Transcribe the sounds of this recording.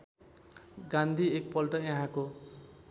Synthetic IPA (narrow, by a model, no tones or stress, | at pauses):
ɡãnd̪ʱiek̚pʌlʈʌjʌ̃ɦãko